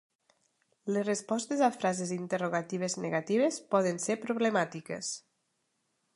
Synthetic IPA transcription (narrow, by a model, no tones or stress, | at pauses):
lezrespɔst̪ezafɾazezint̪eruɣ̞at̪iβ̞ezneɣat̪iβ̞espɔðənseɾpɾuβlemat̪ikḛs